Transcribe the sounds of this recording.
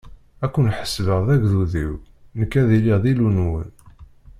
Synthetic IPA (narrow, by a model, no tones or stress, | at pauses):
ækʷːənħə̥svəʁðæʝðuðiw | nəkːæðiliʁðilunwə̰n